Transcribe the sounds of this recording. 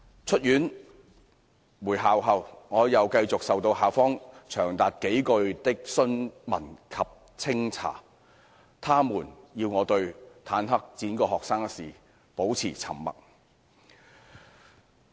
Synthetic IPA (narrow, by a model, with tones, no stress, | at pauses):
t͡ʃʰɵ˥t̚jyː˨˥n | wuː˨˩jɦaː˨wɦɐ˨wŋɔː˨˧jɐ˨˧wkɐ˧jt͡sʊ˨k̚sɐ˨wt̪o˧wɦaː˨˩wfɔː˥ŋt͡ʃʰœː˨˩ŋt̪aː˨t̚ke˨˥jkɵ˧ɥt̪ɪ˥k̚sɵ˥nmɐ̰˨˩nkʰɐ˨p̚ | t͡sʰɪ˥ŋt͡sʰa̰ː˨˩ | t̪ʰaː˥muː˨˩njiː˧wŋɔː˨˧t̪ɵ˧ɥt̪ʰaː˨˥nɦɐ˥k̚t͡siː˨˥nkɔː˧hɔː˨k̚saː˥ŋ˥siː˨˩ | po˨˥wt͡sʰiː˨˩t͡sʰɐ̰˨˩mmɐ̰˨k̚